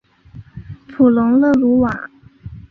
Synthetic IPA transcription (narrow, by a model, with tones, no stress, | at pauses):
pʰu˨˩lʊ˧˥ŋlɤ˥˩lu˧˥wa˨˩˦